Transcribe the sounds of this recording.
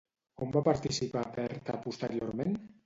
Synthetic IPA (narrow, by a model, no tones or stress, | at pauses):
ombapaɾt̪isipapɛɾt̪a̰pust̪eɾioɾmen